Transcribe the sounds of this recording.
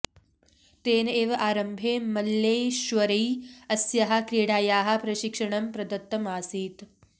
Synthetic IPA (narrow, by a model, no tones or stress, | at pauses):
t̪eːneːʋɐʔaːɾɐmbʱeːmɐlːejʃʋɐɾijɐsjɐɦɐkɾiːɽaːjaːɦɐ̆pɾɐʃikʂɐɳɐmpɾɐd̪ɐt̪ːɐmaːsiːt̪